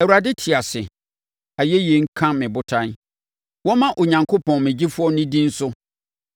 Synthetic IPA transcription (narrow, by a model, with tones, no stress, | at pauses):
ɛ˨wu˨a˨dɪ˦tʰɪ˨a˨sɪ̰˨ | a˨jɛ˦jɛ˨ŋ̩˦kʰã˦mɪ̃˨bʊ˦tʰã˦n˦ | wɔ˦mã˦ʔo˨ɲã˨ŋkʰʊ˦pʰɔ̃˨nmɪ̃˨d͡ʑi˦fʊ˦ɔ˦nɪ̃˦dĩ˦n̩˦sʊ˦